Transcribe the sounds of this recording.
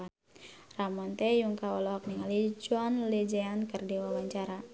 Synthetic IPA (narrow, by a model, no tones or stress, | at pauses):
a | ramɔnt̪ɛjuŋkaɔlɔɦɔk̚niŋalid͡ʒuanled͡ʒɛankərdiwawaɲt͡ʃaɾa